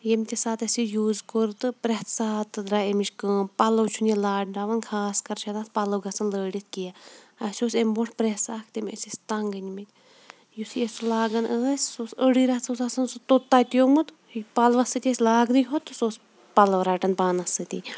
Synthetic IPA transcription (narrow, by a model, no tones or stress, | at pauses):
jemʲt̪ʲisaːt̪ɐsijuːzkoɾt̪ɨpɾɛt̪ʰsaːt̪ːɨd̪ɾaemiʃkəːnpɐlɐwt͡ʃʰunelaːɖɖaʋɐnkʰaːskɐɾt͡ʃʰɐd̪aspɐlɐwɡɐsɐnləːɽit̪̚ʰkijaɐsʲoːsemʲboʈʰpɾetsaːkʰt̪emʲɐ̰sisʲt̪ɐŋɡɐnʲmɐt̪ʲ | jusiesulaːɡɐnʔəːsʲsoːsəɽiɾɐt̪sosɐsɐnsɨt̪ot̪ːaːt̪jomɨt̪ | pɐlʋɐsɨt̪ʲesʲlaːɡd̪ɨjɦot̪ːɨsoːs | pɐlɐʋɾaːʈɐnpaːnɐsɨt̪ʲḭ